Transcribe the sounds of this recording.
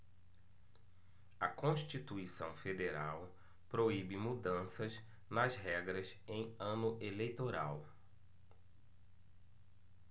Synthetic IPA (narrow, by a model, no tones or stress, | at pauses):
ɐkõʃt͡ʃit̪uisɐ̰̃w̃fed̪eɾaw | pɾoibɪmud̪ɐ̃sɐz | nɐzɦɛɡɾɐz | ẽj̃ɐ̃nʊʔelejt̪oɾa̰w